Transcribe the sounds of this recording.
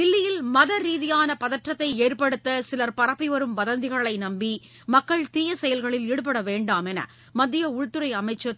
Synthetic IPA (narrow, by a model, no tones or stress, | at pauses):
ɪlːɪjɪlmɐðɐɾiːðɪjaːnɐpɐðɐʈrɐt̪ːɐɪeːrpɐɽɯt̪ːɐsɪlɐɾpɐɾɐpːiʋɐɾɯmʋɐðɐnd̪ɪɣɐɭɐɪnɐmbi | mɐkːɐɭt̪iːjɐsɛjɐlɣɐɭɪleːɽɯp̬ːɐɽɐʋeːɳɖaːmɛnɐ̰ | mɐd̪ːɪjɐʊɻt̪ːɯɾɐɪɐmɐɪt͡ʃːɐ